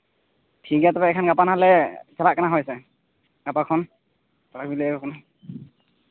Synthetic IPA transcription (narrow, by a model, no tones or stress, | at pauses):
tʰiɡatɔpaɛkʰanɡapanɦalɛsalaʔkːanaɦɔjsɛ | ɡ̥apakʰɔn | salak̚bilɛɡɔkɔna